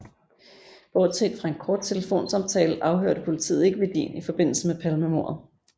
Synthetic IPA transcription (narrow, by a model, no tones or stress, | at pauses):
b̥ɒːd̥sʰḛd̥fʁɑ̈e̝nkʰɒːd̥̚t͡sʰe̝ləfo̝̰ːnsɑ̈mt͡sʰɛːləʔɑ̈ʊɦøɐ̰ɾ̥əpʰo̝lit͡sʰḭːð̩ˠe̝ɡ̥əʋed̥ḭːnifɒ̽b̥e̝n̰l̩səmepʰælmemo̝ɐ